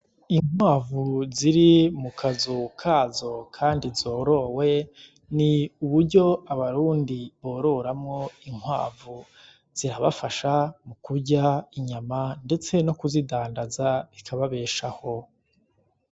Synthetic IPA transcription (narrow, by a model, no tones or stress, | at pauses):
iŋ̥waːvuziɾimukʰazukʰaːzo̞kʰaːndizo̞ːɾo̞we̞ | niuβuɾɟo̞aβaɾuːndiβo̞ːɾo̞ɾamŋo̞iŋ̥wa̰ːvu | z̥iɾaβa̰faʃamukuɟaiɲamande̞t͡se̞no̞kuzidaːndazaikʰaβaβe̞ːʃaho̞